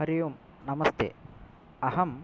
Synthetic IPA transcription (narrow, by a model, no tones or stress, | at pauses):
ɐɾijum | nɐmɐst̪ḛ | ɐɦɐm